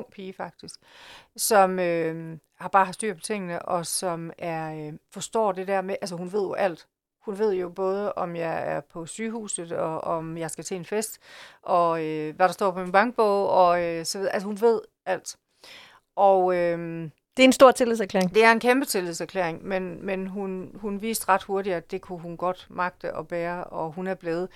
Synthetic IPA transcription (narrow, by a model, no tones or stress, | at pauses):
ŋ̰pʰiːəfɑ̈ɡ̥̚d̥isɡ̥sɒ̽mø | hɑ̈b̥ɑ̈ːhɑðˠsd̥y̰ɐ̰pʰɒ̽t͡sʰe̝ŋ̰ənəʔɒ̽sɒ̽mæɐøfɒ̽sd̥ɒ̰ːd̥e̝d̥æɐ̰meʔæls̬əɦunʋe̝ð̞̰ˠjoʔæl̰d̥ | hunʋe̝ð̞̰ˠjo̝b̥ɔ̽ːð̞ˠəʔɒ̽mjɑ̈ɪæɐpʰɒ̽syːɦṵːsð̩ˠɒ̽ɒmjɑ̈ɪsɡ̥æt͡sʰɛ̰ːenfesd̥ʔɒ̽øʋæɾɑ̈sd̥ɒ̰ːpʰɒ̽minb̥ɑ̈ŋɡ̥̚b̥ɔʊɒ̽øsɒ̽ʋiðˠʔælsəhunʋe̝ð̞̰ˠ | æl̰d̥ | ʔɒʊøm | d̥e̝ɐensd̥o̝ɐ̰t͡sʰe̝liðˠsæɐklḛɐeŋd̥e̝æɐe̝nkʰemb̥ət͡sʰe̝liðˠsæɐkʰlḛɐ̰eŋmenmenɦunhunʋḭːsd̥ʁɑ̈d̥ho̝ɐɾiædd̥e̝kʰuɦunɡ̥ɒ̽d̥mɑ̈ɡ̥̚d̥əʔɒ̽b̥æːɐɒ̽ɦunæɐb̥leːð̞ˠə